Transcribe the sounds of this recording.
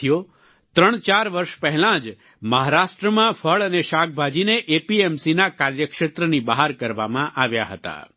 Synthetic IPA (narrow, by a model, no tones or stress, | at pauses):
ijo | t̪ɾəɳt͡ʃaɾʋəɾʃpəɦɛlãd͡ʒ | məɦaɾaʃʈɾəmãfʰəɭəneʃak̚ʰbʱad͡ʒineʔepiemsinakaɾjəkʃet̪ɾənibaɦaɾkəɾʋamãʔaʋjaɦə̰t̪a̰